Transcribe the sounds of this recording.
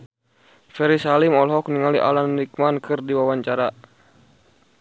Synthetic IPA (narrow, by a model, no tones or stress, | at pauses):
fɛɾisalimɔlɦɔk̚niŋaliʔa̰lanːik̚mankɨrdiwawaɲt͡ʃaɾa